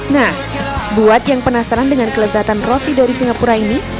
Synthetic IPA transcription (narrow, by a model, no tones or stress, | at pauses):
nah | buat̪̚jaŋpənasaɾandəŋankələzat̪anrot̪idaɾisiŋapuɾaini